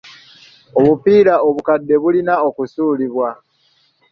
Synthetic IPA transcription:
oβupiːɾaoβukadːe̞βulinao̞kusuːliβwa

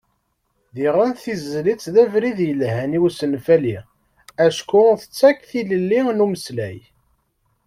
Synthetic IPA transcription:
ðiʁænθizlit͡sːðævɾiðjəlhæniwsənfæli | æʃkʊθə̥t͡sːækːθiləlːinuməslæ̰j

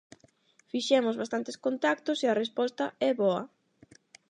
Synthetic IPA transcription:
fiʃɛmʊzβast̪ant̪eskont̪ak̚t̪ʊseɐrespɔst̪ɐɛβɔɐ̰

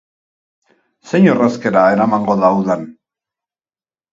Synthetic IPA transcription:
se̞ɲoraske̞ɾae̞ɾamaŋɡo̞ðauðan

